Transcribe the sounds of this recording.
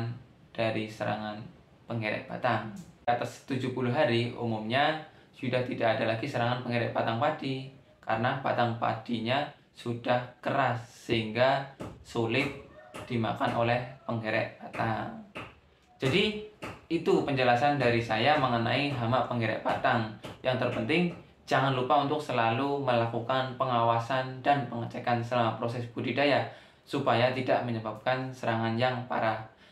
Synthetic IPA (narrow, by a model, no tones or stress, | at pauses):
n | d̥aɾisəɾa̰ŋan | pəŋeɾɛ̰ʔpa̰t̪aŋkat̪ast̪ud͡ʒupuluɦaɾiṵmumɲa | sudaht̪idaʔːdalaɡisəɾaŋanpəŋeɾɛʔpat̪aŋpadi | ka̰ɾənapa̰t̪aŋpa̰d̥iɲa | sudahkəɾasːəɦiŋɡasulɪt̪̚d̥ima̰kanʔolɛhpəŋeɾɛ̰ʔbat̪aŋ | d͡ʒadiit̪upəɲd͡ʒəlasandaɾisajaməŋəna̰iɦamapəŋɡeɾɛ̰ʔpa̰t̪aŋjʔaŋt̪ərpənt̪ɪŋ | d͡ʒaŋanlupaunt̪ʊk̚səlaluməlakukanpəŋawasandanpəŋət͡ʃɛkansəlamapɾosɛsb̥udidaja | supajat̪idaʔməɲəbap̚kansəɾaŋanjaŋpa̰ɾa